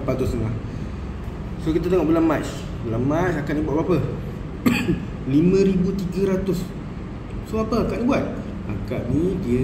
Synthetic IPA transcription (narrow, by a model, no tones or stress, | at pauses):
pat̪uslah | sokit̪at̪eŋɔʔbəlamas | bəlamasakaʔnibuaʔ̚bapa | limə̃ɾibut̪iɡaɾat̪ʊs | soapəakaʔnibuat̪̚ | a̰kaʔnidi